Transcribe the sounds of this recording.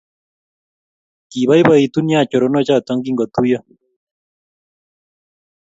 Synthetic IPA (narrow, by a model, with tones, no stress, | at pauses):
ki˨βa˦i˦ba˦i˨t̪u˦nja˦˨t͡ʃɔ˨ɾɔ˨nɔ˦t͡ʃa˦ɔ˨t̪ɔ˦ŋɡi˦ŋɡɔ˨t̪u˦jɔ˦